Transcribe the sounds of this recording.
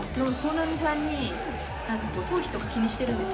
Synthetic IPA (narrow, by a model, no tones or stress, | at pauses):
nokonamʲis̬ãɲːi | nãŋkako̞ːt̪ʰo̞ːçi̥t̪o̞kakʲiɲ̟iɕi̥t̪e̞ɾɯ̃nd̪es